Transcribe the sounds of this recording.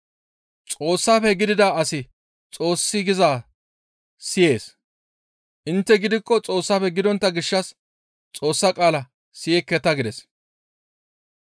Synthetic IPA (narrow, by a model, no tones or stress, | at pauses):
t͡sʼo̞ːsːaːfɛɡɪd̪ɪd̪aːɐsɪ | t͡sʼo̞ːsːɪɡɪzaː | sɪje̞ːs | ʔɪnt̪ːɛɡɪd̪ɪkːɔt͡sʼo̞ːsːaːfɛɡɪd̪ɔnt̪ːɐɡɪʃːɐs | t͡sʼo̞ːsːɐkʼaːlɐ | sɪjɛkːɛt̪ɐɡɪd̪ɛs